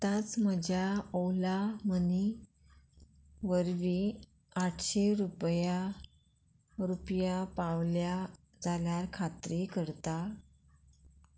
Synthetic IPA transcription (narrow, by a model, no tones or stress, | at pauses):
t̪at͡sməd͡ʑaɔwlaməni | ʋəɾʋi | aʈʰɕeɾupja | ɾupjapaʋlja | d͡zaljaɾkʰat̪ɾekəɾt̪a